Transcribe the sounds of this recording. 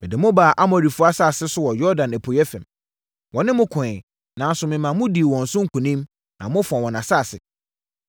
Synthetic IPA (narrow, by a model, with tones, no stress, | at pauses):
mɪ̃˨dɪ˨mʊ̃˦baː˨ʔa˦mɔ˨ɾi˨fʊ˦a˦sa˦˨sɪ˦sʊ˦wɔ˨jɔ˦dã˨næ˨pʰo˨jɛ˦fɛ̰̃˨m | wʔɔ̃˨nɪ̃˦mʊ̃˦kʰʊ̃˨ɪ˨ | nã˨n̩˦sʊ˨mɪ̃˨mã˨mʊ̃˦di˨wɔ̃˨n̩˨sʊ̃˦ŋ̩˦kʰũ˨nĩ˦m | nã˨mʊ̃˦fɔ̃˨wɔ̃˨nã˨sa˦˨sɪ˨